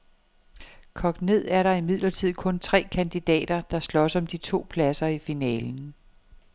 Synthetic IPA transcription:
kʰɒ̽ɡ̥ne̝ð̞̰ˠæɐɾɑ̈imið̰ˠlɐt͡sʰið̞̰ˠkʰɔ̽nt͡sʰʁɛ̰ːkʰænd̥id̥ɛ̰ːd̥ɐd̥ɑ̈slɒ̽sɒ̽md̥it͡sʰo̝̰ːpʰlæsɐifinɛːln̩

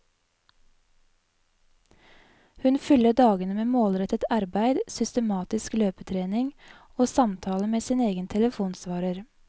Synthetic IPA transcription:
hʉnfʏləd̪ɑːɡənəmeːmoːlɾɛt̪ət̪ɑɾbæɪd̪sʏst̪əmɑːt̪ɪskløːpət̪ʰɾeːnɪŋ | oːsɑmt̪ʰɑːləmeːsiːneːɡənt̪ʰɛləfuːnsʋɑːɾəɾ

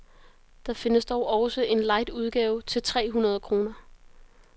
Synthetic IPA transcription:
d̥ɑ̈fe̝nəsd̥ɒʊʔɒsəʔe̝nlɑ̈ɪ̰d̥uð̞ˠɡ̥ɛːʊt͡sʰe̝lt͡sʰʁɛ̰ːɦunɐð̞ˠkʰʁo̝ːnɐ

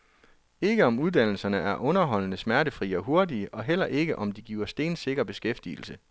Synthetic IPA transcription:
e̝ɡ̥əɒ̽muð̞ˠd̥æn̰l̩sɐnəʔæɐʔɔ̽nɐɦɒ̽l̰ənəsmæɐɾəfʁḭːɒ̽ɦo̝ɐdiəʔɒ̽ɦel̰ɐʔe̝ɡ̥əʔɒ̽md̥iɡ̥iːʊɐsd̥e̝̰ːnse̝ɡ̥ɐb̥e̝sɡ̥efd̥ḭːl̩sə

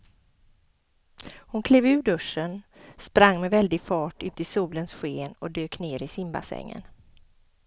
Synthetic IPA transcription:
hʊnkʰleːvʉ̟ːɖɵʂənspɾaŋːmɛvɛld̪ɪɡfɑːʈɵːpt̪ɪsuːlənsɧeːnɔd̪øːkneːɾɪsɪmba̰sɛ̰ŋːə̰n

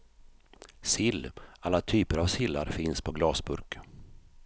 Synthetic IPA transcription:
sɪlːalːat̪ʰyːpəɾavsɪlːa̰ɾfɪnspʰɔɡlɑːsbɵ̰ɾk

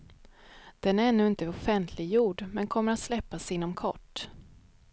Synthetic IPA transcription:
d̪̥ɛnæɾɛnːʉ̟ːɪnt̪əɔfɛnt̪ʰlɪɡjuːɖmɛnkʰɔmːəɾat̪slɛpːasɪnːɔmkʰɔ̰ʈː

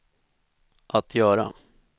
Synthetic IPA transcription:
ʔat̪ʰjœːɾa̰

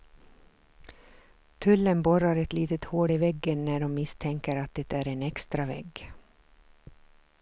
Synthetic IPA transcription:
t̪ʰɵlːənbɔɾaɾɛt̪liːt̪ət̪hoːɖiːvɛɡːənnæɖɔmːɪst̪ʰɛŋkəɾat̪̚d̪ɛt̪ːæːɾeːnɛkst̪ɾavɛ̰ɡ

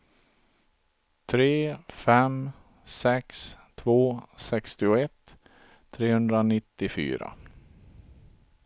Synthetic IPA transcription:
t̪ʰɾeːfɛm | sɛkst̪ʰvoːsɛkst̪ɪʊɛt̪ʰː | ɾeːhɵnd̪ɾanɪt̪ːɪfy̰ːɾa̰

